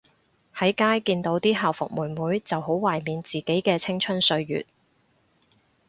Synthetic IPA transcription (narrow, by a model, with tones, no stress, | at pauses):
hɐ˨˥jkaː˥jkiː˧nt̪o˨˥wt̪iː˥ɦaː˨˩wfʊ˨k̚muː˨˩nmuː˨˥jt͡sɐ˨who˨˥wwaː˨˩jmiː˨nt͡siː˨ke˨˥jkɛː˧t͡sʰɪ˥ŋt͡ʃʰɵ˥nsɵ˧ɥjy̰ː˨t̚